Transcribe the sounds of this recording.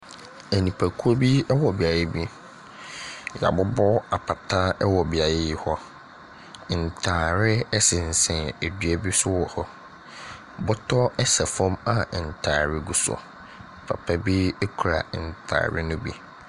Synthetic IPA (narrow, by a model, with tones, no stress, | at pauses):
æ˨nĩ˨pʰæ˨kʰu˦o˦bi˦ɛ˦wɔ˨bi˨a˨ɾɛ˦bi˦ | ja̰˨bʊ˦bɔ˦a˨pʰa˨tʰa˦ɛ˦wɔ˨bi˨a˨ɾa˦jɪ˦hɔ˦˨ | n̩˨tʰaː˨ɾɪ˦ɛ˦sɪ̃˨n̩˨sɛ̃˨æ˨dɥɛ˦bi˦sʊ˦wɔ˨hɔ˦ | bɔ˦tʰɔ˦ɛ˦sa˨fɔ̃˦ma˨n̩˨tʰaː˨ɾɪ˦ɡu˨sɔ̰˨ | pʰa̰˨pʰa˦bi˦ɛ˦kʰu˨ɾa̰˨n̩˨tʰa̰ː˨ɾɪ̰˦nʊ̃˦bḭ˦